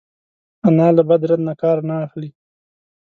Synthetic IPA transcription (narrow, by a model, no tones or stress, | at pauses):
anɑlabad̪ɾad̪nakɑɾnaːxli